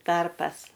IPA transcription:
ˈtɐrpɐs

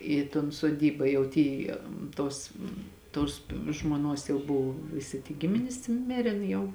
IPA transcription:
ˈiː toːn soːˈdʲiːbɐ jɛʊ ˈtʲiː ˈtoːs toːs ʒmoːˈnuɔs jɛʊ ˈbʊw ʋʲɪˈsʲɪ tʲiː ˈɡʲɪmʲɪnʲɪs ˈmʲeːrʲeːn jɛʊ

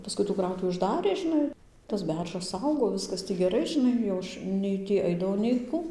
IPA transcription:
pɐˈskʊɪ tuː ˈkrɐʊtʊʋʲɪ ʊʒˈdɑːrʲeː ʒʲɪˈnɐɪ tɐs ˈbʲɛrʒɐs ˈɐʊɡoː ˈʋʲɪskɐs tʲiː ɡʲɛˈrɐɪ ʒʲɪˈnɐɪ jɛʊ ˈɐʃ ˈnʲɛɪ tʲiː ˈɐɪdɐʋɐʊ nʲɛɪ ˈkʊ

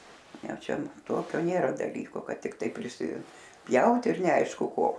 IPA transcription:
ˈjɛʊ ˈt͡ʃʲɛ ˈtoːkʲoː ˈnʲeːrɐ dɐˈlʲiːkoː ˈkɐt tʲɪkˈtɐɪ pʲrʲɪsʲɪˈpʲjɛʊt ɪr nʲɛˈɐɪʃkʊ ˈkoː

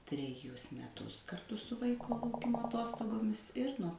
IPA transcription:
tʲrʲɛˈjʊs mʲɛˈtʊs kɐrˈtʊ sʊ ˈʋɐɪkoː lˠɐʊˈkʲɪmoː ɐˈtoːstoːɡoːmʲɪs ˈɪr nuɔ

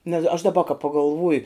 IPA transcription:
nʲɛs ɐʃ dɐˈbɐ kɐ pɐɡɐlˠˈʋʊjʊ

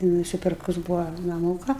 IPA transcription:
nʊsʲɪˈpʲɪrkʊs ˈbuːʋɐ nɐˈmuːkɐ

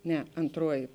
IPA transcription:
ˈnʲɛ ɐntˈruɔjɪ

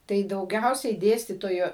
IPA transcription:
tɐɪ dɐʊˈɡʲɛʊsʲɛɪ ˈdʲeːsʲtʲiːtoːjʊ

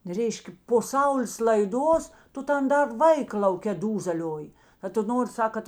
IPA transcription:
ˈrʲɛɪʃʲkʲeː poː sɐʊˈlʲeːs lˠɐɪˈduɔs ˈtʊ ˈtɐn ˈdɐr ˈʋɐɪkɐ lˠɐʊˈkʲeː ˈduːzʲɛlʲoːjɪ ɐ tʊ ˈnoːrʲɪ ˈsɐk kɐt

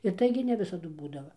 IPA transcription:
ɪr ˈtɐɪɡʲɪ nʲɛ ˈʋʲɪsɐdʊ ˈbuːdɐʋɐ

